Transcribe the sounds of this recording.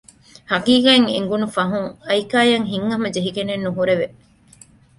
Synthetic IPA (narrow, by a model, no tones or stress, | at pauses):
hɐɡiːɡaeŋḛŋɡunufɐɦuŋɐjkaːjɐŋɦiŋːɐmɐd͡ʒeɦiɡenenːuɦuɾeʋe